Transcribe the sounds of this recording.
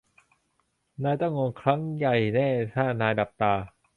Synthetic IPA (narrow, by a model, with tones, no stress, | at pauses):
naː˧jt̪a˥˩ŋo˧ŋkʰɾa˦˥ŋja˨˩jnɛː˥˩t̪ʰaː˥˩naː˧jda˨˩p̚t̪aː˧